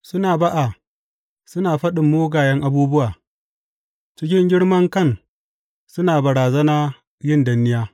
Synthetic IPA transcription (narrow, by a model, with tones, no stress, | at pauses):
sʊ˦naː˨ba˦ʔa˨ | sʊ˦naː˨ɸɐ˦ɗɪ˨mːoː˦ɡaː˨jɐ˦ŋʔa˨buː˦bʊ˦waː˨ | t͡ʃɪ˦k̬ʲɪ˦ŋɡʲɪ˦ɽmɐ˦ŋkɐ˦˨n | sʊ˦naː˨bɐ˨ɽaː˨zɐ˦naː˦ | jɪ˦˨ndɐ˨nːɪ˦jaː˦